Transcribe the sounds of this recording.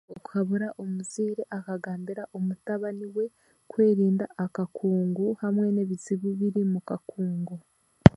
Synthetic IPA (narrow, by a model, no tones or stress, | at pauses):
oku̥kaβuɾaʔomuziːɾeʔakaɡaːmbiɾaʔomutaβaniwe̞ | kwe̞ːɾiːndaʔːkakʰuːŋɡuhamŋe̞neβit͡siβuβiɾimukakʰuːŋɡu